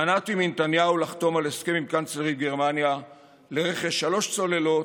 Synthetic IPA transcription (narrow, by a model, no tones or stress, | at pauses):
anat̪imint̪anjaulaχt̪o̞maleskemimkant͡sleʁiɡeʁmanja | leʁeχeʃalo̞ʃt͡so̞le̞lo̞